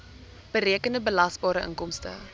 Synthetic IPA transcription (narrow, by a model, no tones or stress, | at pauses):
b̥əɾiəkəndəbəlɐsbɑːɾəʔə̰ŋkɔmstə̰